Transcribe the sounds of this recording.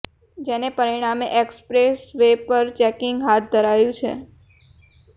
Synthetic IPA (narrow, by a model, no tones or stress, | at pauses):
d͡ʒenepəɾiɽ̃ameʔekspɾesʋepəɾt͡ʃɛkɪŋɡɦat̪̚ʰd̪ʱəɾajũt͡ʃʰḛ